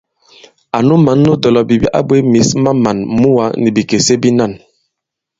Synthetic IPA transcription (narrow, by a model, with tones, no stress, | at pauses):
a˨nu˦ma˨˦nːu˦dɔ˨lɔ˨bi˨bi˦ʔa̰˦bwe˦mi˨˦sma˦ma˨nmu˦wa˦ni˨bi˨ke˨se˦bi˦na˦˨n